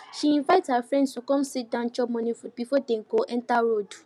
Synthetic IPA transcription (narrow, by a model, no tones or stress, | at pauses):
ʃiĩnvaɪthafɹɛ̃ndstʰukɔ̃msit̚dãnd͡ʒɔp̚mɔ̃nifud̚bifɔdɛ̃ŋ̩ɡoʔɛ̃ntaɹod